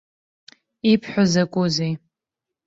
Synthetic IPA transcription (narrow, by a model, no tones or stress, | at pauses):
ipʰħʷᶣazakʷʼuzej